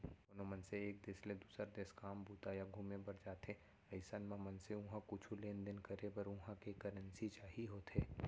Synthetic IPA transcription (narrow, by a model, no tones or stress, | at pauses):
ʊnõmɐnseeːk̚d̪eːsled̪uːsɾad̪eːskaːmbuːt̪ajaɡʱuːmẽbɐɾd͡ʒaːt̪ẽ | ɐɪsanmãmɐnseʊ̃ɦãkʊt͡ʃʰuleːnd̪ɪnkɐɾebɐɾʊ̃ɦãkekɐɾənsit͡ʃaːɦiɦoːt̪ɦeː